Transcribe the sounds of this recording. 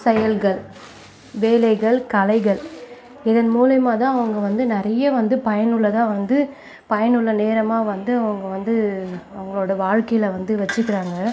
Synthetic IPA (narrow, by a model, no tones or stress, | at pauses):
sɐjɐlɣɐɭ | ʋeːlɐɪɣɐɭkɐlɐɪɣɐɭ | ɪðɐnmuːlɐmaːt̪ãːɐʋɐŋɡɐʋɐnd̪ɯnɪɾɐjɐʋɐnd̪ɯpɐjɐnɯɭːɐt̪ãːʋɐnd̪ɯ | pɐjɐnɯɭːɐneːɾɐmaːʋɐnd̪ɯɐʋɐŋɡɐʋɐnd̪ɯɐʋɐŋɡɐɭoːɽɐʋaːɻkɐjɪlɐʋɐnd̪ɯʋɐt͡ʃːɯkːɪɾaːŋɡɐ